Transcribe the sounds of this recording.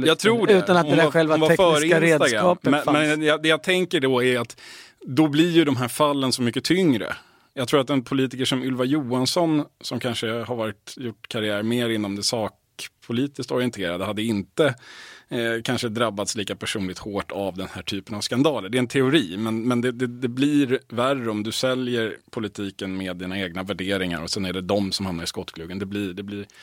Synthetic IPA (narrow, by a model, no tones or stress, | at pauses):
jɑt̪ʰɾuːɖʉɛːanahʊnaɧɛlvanvaɾɛfœːɾɪnɾesd̪t̪aɡɾaɑːmɛmɛnjad̪ɛjat̪ʰɛŋkəɖɔæɾat̪d̪ɔblɪɾjɵd̪ɔmɦæːɾfalːənsɔmʏkːət̪ʰʏŋɾə̰ | jɑɡt̪ʰɾuːɾat̪ɛnpʰʊliːt̪ɪkəʂɔmɵlvajuːansɔnsɔmkʰanʂəhaɾvɑːɾɪt̪jʊʈːkʰaɾɪæːɾmeːɾɪnːɔmd̪ɛsɑːk | pʰʊliːt̪ɪskt̪ɔɾɪənt̪ʰeːɾad̪əhad̪ːəɪnt̪ə | kʰanʂəd̪ɾabːat̪sliːkapʰæʂuːnɪt̪hoːʈʰavd̪ɛnhæːʈʰyːpənavskand̪ɑːləɖɛɛnt̪ʰɛʊɾiːmɛnmɛnd̪ɛd̪ɛd̪ɛblɪɾværəɔmd̪ɵsɛljəɾpʰʊlɪt̪ʰiːkənmeːd̪ːiːnaeːɡ̚navæɖeːɾɪŋa̰ɾɔsɛnæɖɛd̪ɔmsɔmhamnaɾɪskɔt̪ːkʰlʉːɡənd̪ɛblɪɖ̪ɛblɪɾ